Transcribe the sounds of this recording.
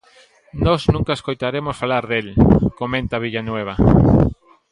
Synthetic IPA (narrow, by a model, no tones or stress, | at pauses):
nɔznũŋkaeskojt̪aɾemosfalaɾðelkomẽnt̪aβ̞iʎanweβ̞ɐ